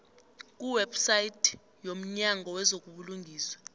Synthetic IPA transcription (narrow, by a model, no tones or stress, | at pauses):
k̬ʼuwɛbsaitʰ | jom̩ɲaŋʱɔwɛzok̬ʼuɓuluŋɡʱiːswḁ